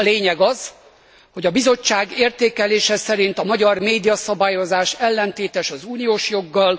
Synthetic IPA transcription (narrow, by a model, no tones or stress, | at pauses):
leːɲɛɡɒz̥ | ho̞ɟɒbizo̞t͡ʃːaːɡeːrt̪eːkɛleːʃɛsɛɾint̪ɒmɒɟɒrmeːd̪ijɒsɒbaːjo̞zaːʃɛlːɛnt̪eːt̪ɛʃɒzuːnijoːʃjo̞ɡːɒl